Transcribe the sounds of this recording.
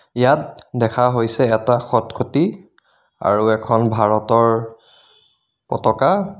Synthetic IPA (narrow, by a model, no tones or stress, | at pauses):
jat̚dɛkʰaɦojsɛːtaxɔtkʰoti | a̰ɹuɛkʰɔnbʱaɹɔtɔɹ | pɔtɔka